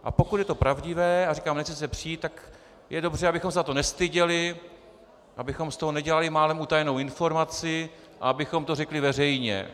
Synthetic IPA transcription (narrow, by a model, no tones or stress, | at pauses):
ʔa̰po̞kut̪jɛt̪o̞pɾavɟɪvɛːarikaːmnɛxt͡sɛs̬ɛpr̝̥iːt̪t̪ːak | jɛdo̞br̝ɛabɪxomsat̪o̞nɛst̪ɪɟɛlɪ | ʔabɪxo̞mst̪o̞ɦonɛɟɛlalɪmaːlɛmut̪ajɛnowɪnfo̞ɾmat͡sɪ | ʔa̰abɪxo̞mt̪o̞rɛklɪvɛrɛjɲɛ̰